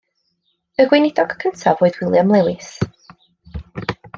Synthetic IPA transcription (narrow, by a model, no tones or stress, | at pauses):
əɡwɪnɪdɔɡ̥kʰəntʰavoːɨðwɪlˠjamlˠɛwɪs